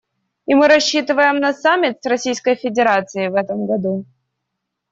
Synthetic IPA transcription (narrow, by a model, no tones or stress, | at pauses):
imɨɾɐɕːit̪ɨvəjɪmnɐsamʲːɪt̪srɐsʲijskəjfʲɪdʲɪɾat̪sɨɪvɛt̪əmɡɐd̪u